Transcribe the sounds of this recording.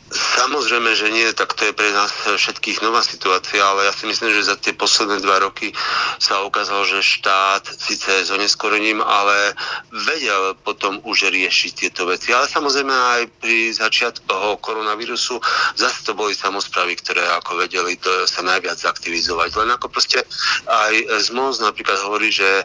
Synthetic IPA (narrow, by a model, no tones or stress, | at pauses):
samɔzɾɛjmɛʒɛɲɪɛt̪akt̪ɔjɛpɾɛnaːsfʃɛt̪kiːɣnɔʋaːsit̪uaːt͡siaalɛjaːsimisliːmʒɛzat̪ɪɛpɔslɛd̪nɛːd̪ʋaɾɔkisaukaːzalʒɛʃt̪aːt̪siːt͡sɛzɔɲɛskɔɾɛɲiːma̰lɛʋɛɟɛlpɔt̪ɔmuʒɾɪɛʃict̪ɪɛt̪ɔʋɛt͡sialɛsamɔzɾɛjmɛajpɾizat͡ʃɪat̪kɔɦɔkɔɾɔnaʋiːɾusuzasɛ̥t̪ɔbɔlisamɔspɾaːʋikt̪ɔɾɛːakɔʋɛɟɛlid̪ɔsanajʋɪad͡zakt̪iʋizɔʋaɟlɛnakɔpɾɔscɛajzmɔznapɾiːklad̪ɦɔʋɔɾiːʒɛ